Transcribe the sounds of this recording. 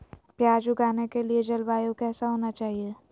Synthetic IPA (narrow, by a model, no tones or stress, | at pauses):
pjaːd͡ʒuɡaːnekelied͡ʒɐlbaːjokɛːsaɦoːnat͡ʃaːɦie